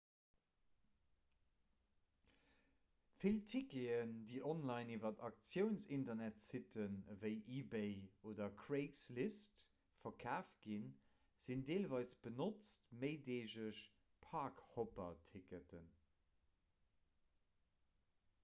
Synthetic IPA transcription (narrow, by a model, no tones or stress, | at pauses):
filtʰikeəndiːʔɔnlɑɪnivɐtɑk̚t͡sjəʊnsintɐnætsitʰənvəɪʔiːbeɪoːdɐkʰɹeɪkslist | fɐkʰaːft̚ɡ̥in | z̥indeːlvɑɪsb̥ənot͡stməɪdeːʑəʃ | pʰaːkhopɐtʰikətʰən